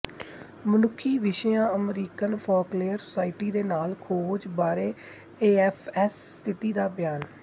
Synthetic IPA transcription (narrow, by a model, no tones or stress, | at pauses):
mənʊkʰːiːʋɪʃjãːəmɾiːkənpʰɔːkleːəɾsʊ̥saːɪʈiːd̪eːnaːlkʰoːd͡ʒbaːɾeː | eːɛːpʰɛːs | t̪ʰɪt̪iːd̪aːbɪjaːn